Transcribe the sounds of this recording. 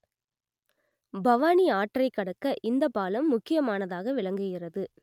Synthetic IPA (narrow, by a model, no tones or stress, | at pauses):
bɐʋaːniaːʈrɐɪkːɐɽɐkːɐʔɪnd̪ɐpaːlɐmːʊkːɪjɐmaːnɐðaːɣɐʋɪɭɐŋɡɯɣɪrɐðɯ